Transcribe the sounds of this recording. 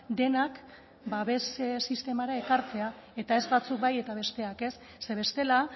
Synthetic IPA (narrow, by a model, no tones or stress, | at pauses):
d̪e̞nak | baβe̞ssist̪e̞maɾae̞kaɾt͡se̞ae̞t̪ae̞zbat͡suk̚baje̞t̪aβ̞e̞st̪e̞ake̞sːe̞βe̞st̪e̞la